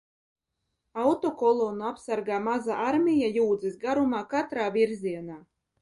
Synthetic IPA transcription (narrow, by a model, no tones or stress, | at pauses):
awt̪ɔkɔlˠoːnuapsaɾɡaːmazaʔaɾmʲijajuːd̪zɨsɡaɾumaːkat̪ɾaːvʲiɾzʲiɛnaː